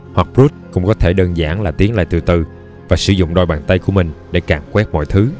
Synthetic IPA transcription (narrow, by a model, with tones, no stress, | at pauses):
hwa˨˩k̚pzu˦˥t̚kʊ̰˧˥ŋ͡mkɔ˨˦t̪ʰe˧˩ɗəː˧nza̰ː˧˩nlaː˨˩t̪i˨˦ənla̰ː˧˨jt̪ɨ˨˩t̪ɨ˨˩ | vaː˨˩sɨ˧˩˦zʊ̰˧˨ŋ͡mɗɔ˨˩jɓaː˨˩nt̪a˧jku˧˩əmï˨˩ŋ̟ɗḛ˧˩kaː˧˩mkwɛ˦˥t̚mɔ̰˧˨jt̪ʰɨ˨˦